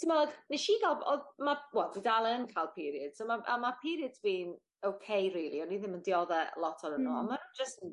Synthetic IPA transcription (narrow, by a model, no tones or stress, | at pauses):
tʰimalˠəɡnɛʃiɡalˠbɔmawɛlˠdidalˠənkʰajlˠpʰiɾiəd̥somaʔa̰mapʰiɾiədsʰviːn | owkʰejriːlˠiɔniðɪməndiɔðɛlˠɔtʰɔɾənua̰mad͡ʒəst